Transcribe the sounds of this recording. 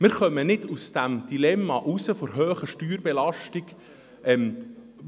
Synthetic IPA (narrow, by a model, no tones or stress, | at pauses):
mɪɾχœmənɪdusd̥æmd̪̥ilɛmːɑʔusəfoɾɦøːχəʃtyːɾbɛlɑʃtiɡ | ɛm